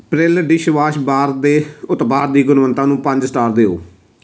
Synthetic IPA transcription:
pɾɪlɖɪʃʋaːʃbaːɾd̪eːʊt̪baːɾd̪iːɡʊnʋənt̪ãːnũːpə̃ɲd͡ʒsʈaːɾd̪eːo̰ː

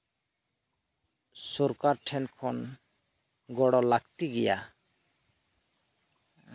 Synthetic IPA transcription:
soɾkaɾʈʰɛnkʰɔn | ɡɔɽɔlakt̪iɡɛja̰

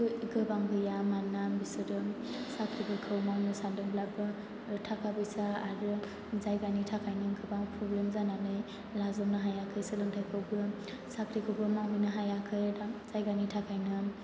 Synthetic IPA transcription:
ɡɯbaŋbɯjamanːabisɯɾɯ | sakʰɾibʰɯkʰɯwmaŋnɯsadɯŋblabɯ | tʰakʰabɯjsaaɾɯ | zajɡanitʰakʰajnɯɡɯbaŋpʰɾɔblemzananɯj | lazɔmnɯɦajakʰɯjsɯlɯŋtʰajkʰɯwbɯ | sakʰɾikʰɯwbʰɯmaŋɦujnɯɦajakʰɯjz̥ajɡanitʰakʰajnɯ

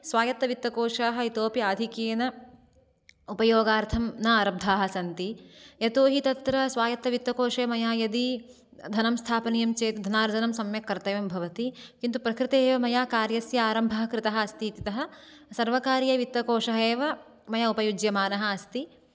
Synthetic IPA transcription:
sʋaːjɐt̪ːɐʋit̪ʋɐkoːʂaːɦɐit̪oːpiaːd̪ʱikeːnɐ | upɐjoːɡaːɾt̪ʰɐmnaɾɐb̚d̪ʱaːɦɐ̆sɐnt̪ijɐt̪oːɦit̪ɐt̪ɾɐsʋaːjɐt̪ːɐʋit̪ːɐkoːʂeːmɐjaːjɐd̪i | d̪ʱɐnɐmst̪ʰaːpɐnijɐmt͡ʃeːt̪d̪ʱɐnaːɾd͡ʒɐnɐmsɐmjɐkːɐɾt̪ɐjɐmbʱɐʋɐt̪ikint̪upɾɐkɾɪt̪eːʋɐmɐjaːkaːɾjɐsjɐaːɾɐmbʱɐɦɐkɾɪt̪ɐɦɐ̆ːst̪it̪it̪ɐɦɐ̆ | sɐɾʋɐkaːɾjɐʋit̪ʋɐkoːʂɐɦeːʋɐ | mɐjaupɐjud͡ʒjɐmaːnɐɦɐ̆ːst̪i

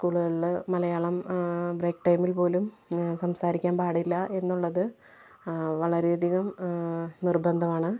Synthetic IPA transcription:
skuːɭuɣɐɭilmɐlɐjaːɭɐmbreːkʈɐjmilpo̞ːlum | sɐmsaːɾikʲːaːnpaːɽilːɐʔe̞nːuɭːɐðɨ | ʋɐɭɐɾeɐd̪ʱiɣɐm | nirbɐnd̪ʱɐmaːɳɨ

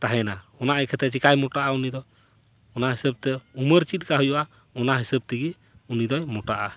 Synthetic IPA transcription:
t̪aɦɛnaɔnaʔɛkʰɛt̪ɛt͡ʃikajmɔʈaʔaunid̪ɔ | ɔnaɦisəb̚t̪ɛuməɾt͡ʃit̪̚kaɦujɔʔa | ɔnaɦisəb̚t̪iɡi | unid̪ɔjmɔʈaʔa

